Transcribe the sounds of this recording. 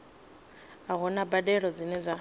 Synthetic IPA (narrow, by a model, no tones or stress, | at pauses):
aɣʊnabadɛɺɔd͡zɪnɛd͡za